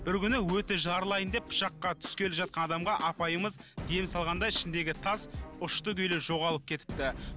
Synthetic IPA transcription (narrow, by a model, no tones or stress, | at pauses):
b̥ɪɾkʲʏnɪwɵt̪eʒɑɾəlˠɑjənd̪epːʰʊ̥ʃɑqːɑt̪ʰʏ̥skʲe̞lɪpʒɑt̪̚qɑnɑd̪ɑmʁɑʔɑpɑjəməzd̪e̞msɑlˠʁɑnd̪ɑɪʃɪnd̪e̞ɡʲɪt̪ʰɑsʊʃt̪əkʲʰʏjleʒo̞ʁɑlˠəp̚kʲʰe̞t̪ɪ̥p̚t̪ɪ